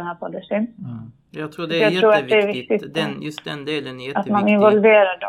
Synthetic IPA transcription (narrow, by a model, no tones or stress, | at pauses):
nɦæːpʰɔd̪əʂɪn | jɑːɡt̪ʰɾuːɾat̪d̪ɛæɾvɪkt̪ɪt̪ | at̪manɪnvɔlveːɾaɖɔ